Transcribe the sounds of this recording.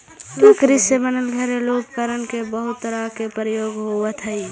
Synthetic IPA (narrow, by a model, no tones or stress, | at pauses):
əkɾisebənəlɡʱəɾeloːp̚kəɾənkebəɦʊt̪ːəɾakepɾəjoːɡɦoʋət̪ʰəi